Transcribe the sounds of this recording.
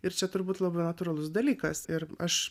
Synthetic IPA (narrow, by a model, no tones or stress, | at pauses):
ɪɾt͡ʃʲɛt̪ʊɾbuːt̪lˠɑːbɐːnɐt̪uːɾɑːlˠʊsd̪ɐlʲiːkɐsɪɾɐʃ